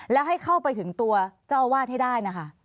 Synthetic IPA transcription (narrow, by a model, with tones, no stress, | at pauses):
lɛː˦˥wɦa˥˩jkʰa˥˩wpa˧jt̪ʰɯ˩˦ŋt̪u˧ɐt͡ɕaː˥˩wwaː˥˩t̪̚ha˥˩jdaː˥˩jna˦˥kʰa˥˩ʔ